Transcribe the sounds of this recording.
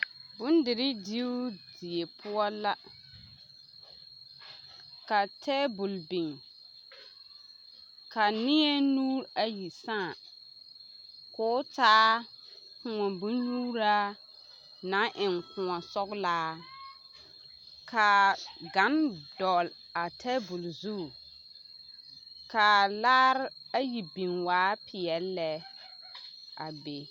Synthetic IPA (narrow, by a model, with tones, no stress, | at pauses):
bʊ˦n˦dɪ˨ɾɪ˦di˦u˦di˨e˨pʰʊ˦ɔ˦la˦ | ka˨tʰɛː˦bʊ˨lbi˨ŋ | ka˨nɪ˦e˦nuː˦ɾa˨ji˨sãː˦˨ | kʊː˨˦taː˦ | kʊ˨ŋɔ˨bʊ˦nɲuː˦ɾa˦ | nã˦ʔɪ˨nkʊ̃˨ŋɔ˨sɔ˦ɡlaː˦ | kʰa˨ɡa˨˦ndɔ˨l | a˨tʰɛ˦bʊ˨lzu˦˨ | ka˨laː˦ɾa˦ji˨bĩ˨nwaː˨˦pʰɪ˨ɛ˨lːɛ˦ | ʔa̰˨be˨